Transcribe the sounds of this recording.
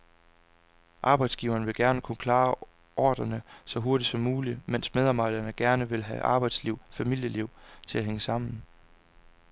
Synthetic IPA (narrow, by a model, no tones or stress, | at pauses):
ʔɑ̈ːb̥ɑ̈ɪd̥sɡ̥iʊɐːnəʋe̝lɡ̥æɐnəkʰunəkʰlɑ̈ː | ʔɒːd̥ɐnəsɒ̽ɦo̝ɐɾid̥sɒ̽mːuːlimen̰smeðˠɑ̈ːb̥ɑ̈ɪ̰d̥ɐnəɡ̥æɐnəʋe̝lɦæʔɑ̈ːb̥ɑ̈ɪd̥sliʊ̰fæmil̰jəliʊ̰t͡sʰe̝læɦeŋəsɑ̈m̰n̩